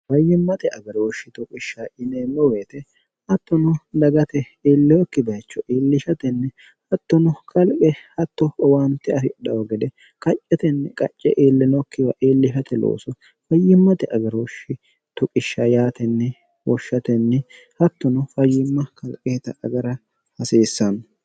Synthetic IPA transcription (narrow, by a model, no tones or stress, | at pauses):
fɐjːɪmːɐt̪ɛʔɐɡɐɾoːʃːɪt̪ʊkʼɪʃːaʔɪneːmːɔweːt̪ɛ | hɐt̪ːɔnʊd̪ɐɡɐt̪ɛ | eːlːɛjɔkːɪbɐt͡ʃːɔʔeːlːɪʃɐt̪ɛnːɛ | hɐt̪ːɔnɔkʰɐlkʼɛhɐt̪ːɔɔwaːnt̪ːɛɐsɪɗɐwɔɡɛd̪ɛ | kʼɐt͡ʃʼːɛt̪ɛnːɛkʼɐt͡ʃʼːɛʔeːlːɛnɔkːɪwɐʔeːlːɪʃɐt̪ɛlo̰ːsɔ | fɐjːɪmːɐt̪ɛʔɐɡɐɾwɔʃːɪ | t̪ʊkʼɪʃːɐjaːt̪ɛnːɛ | wɔʃːɐt̪ɛnːɛ | hɐt̪ːɔnɔfɐjːɪmːɐkɐlkʼeːt̪ɐɐɡɐɾɐ | hɐseːsːɐnɔ